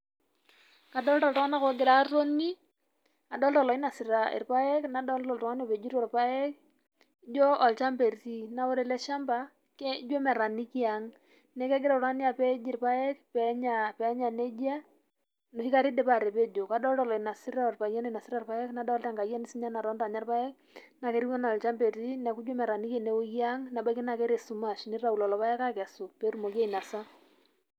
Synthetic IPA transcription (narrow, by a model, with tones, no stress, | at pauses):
ka˨dɔ˦ltɔ˨ltɔ˦ŋa˦na˦ko˨˦ɡɪ˨ɾa˨˦ɾo˦ni˦ | a˨dɔ˦ltɔ˨lɔ˨i˦na˨si˨ɾa˨ḭ˨ɾpa˦jɛ˦kna˨˦dɔ˦ltɔ˨ltɔ˨ŋa˦n˦o˦˨pe˨d͡ʒu˦ɾɔ˨ɾpa˦ɛ˦k | d͡ʒoː˦˨lt͡ʃa˦mpe˨ɾti˦na˨˦wo˦ɾe˨lɛ˦ʃa˦mba˨ | kɛ˦d͡ʒo˦mɛ˨ɾa˨ni˦ki˦a˨ŋ | nɛ˦kɛ˦ɡɪ˦ɾa˨ɾa˦ni˦a˨pe˦d͡ʒi˦˨ɾpa˦ɛ˦kpɛ˨˦ɲa˨pɛ˨˦ɲa˨ne˦d͡ʒa˦ | no˨hi˦ka˦ɾi˦de˨pa˨ɾe˨pe˦d͡ʒo˨ka˦dɔ˦ltɔ˨lɔ˨i˨na˨si˦ɾa˦ɔ˨rpa˨ja˦n˦˨na˨si˦ɾa˦rpa˦jɛ˦kna˨˦dlta˦ŋɡa˨ja˦ni˦si˦ɲa˦na˨ɾɔ˦nda˨ɲa˦rpa˦jɛ˦k̚ | na˨kɛ˦ɾi˦ɔ˦na˨lt͡ʃa˦mbe˨ti˦nɛ˨ku˦d͡ʒo˦mɛ˨ɾa˨ni˦ke˦˨ne˦o˦kja˦ŋna˨ba˦ki˦na˨kɛ˦ɾe˨su˨ma˨ʃni˦ɾa˨u˨lɔ˨lɔ˨pa˦jɛ˦ka˦kɛ˨su˨pe˨˦ɾu˦mo˨kja˦i˨na˨sa˦